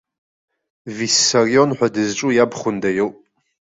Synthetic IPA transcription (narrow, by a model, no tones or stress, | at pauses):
visarijonħʷᶣadɨzʈ͡ʂʼujabχʷʊndajoltʼ